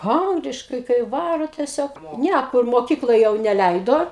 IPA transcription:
ˈɐŋɡlʲɪʃkɐɪ kɐɪ ˈʋɑːroː tʲiɛˈsʲoːk ˈnʲæ kʊr moːˈkʲiːklˠoːj jɛʊ nʲɛˈlʲɛɪdoː

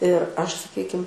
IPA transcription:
ɪr ˈɐʃ sɐˈkʲiːkʲɪm

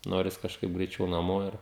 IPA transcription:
ˈnoːrʲɪs kɐʃˈkɐɪp ɡrʲɛɪˈt͡ʃʲɛʊ nɐˈmoː ˈɪr

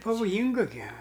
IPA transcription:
pɐʋoːˈjiːŋɡɐ ɡʲɪ

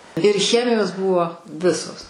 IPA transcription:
ɪr ˈxʲæːmʲɪjoːs ˈbʊʋoː ˈʋʲɪsoːs

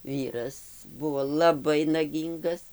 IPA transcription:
ˈʋʲiːrɐs ˈbʊʋoː lˠɐˈbɐɪ nɐˈɡʲiːŋɡɐs

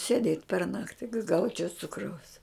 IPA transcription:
sʲeːˈdʲeːtʲ pʲɛr ˈnɑːktʲɪ kɐ ˈɡɐʊt͡ʃʲɛʊ ˈt͡sʊkrɐʊs

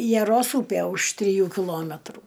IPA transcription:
jɛˈroːs ˈuːpʲeː ʊʃ tʲrʲɪˈjuː kʲɪˈlˠoːmʲɛtruː

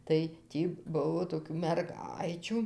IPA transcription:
tɐɪ ˈtʲiː ˈbʊʋoː toːˈkʲuː mʲɛrˈɡɐɪt͡ʃʲuː

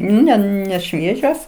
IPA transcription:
ˈnʲɛ nʲɛˈʃʲʋʲiɛʒʲoːs

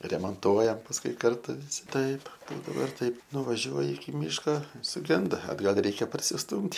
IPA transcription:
rʲɛmɐnˈtuɔjɛm pɐsˈkʊɪ ˈkɐrtʊ ʋʲɪˈsʲɪ ˈtɐɪp ˈbuːdɐʋoː ɪr ˈtɐɪp nʊʋɐˈʒʲuɔjɪ ɪkʲɪ ˈmʲiːʃkɐ sʊˈɡʲɛndɐ ɐdˈɡɐlʲ ˈrʲɛɪkʲɛ pɐrʲsʲɪsˈtuːmʲtʲ

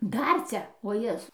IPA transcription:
ˈdɐr ˈt͡sʲɛ oː ˈjæːzʊ

